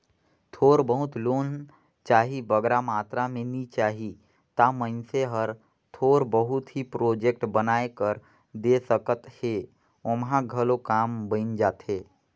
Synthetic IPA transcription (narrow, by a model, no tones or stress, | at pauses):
t̪ʰoːɾbəɦʊt̪loːn | t͡ʃaːɦibəɡɾamaːt̪ɾamẽnit͡ʃaːɦi | t̪amə̃nseɦəɾ | t̪ʰoːɾbəɦʊt̪ɦipɾoːd͡ʒek̚ʈbənaːekəɾ | d̪esəkət̪he | omɦãɡʱəlokaːmbə̃ɪnd͡ʒaːt̪ɦeː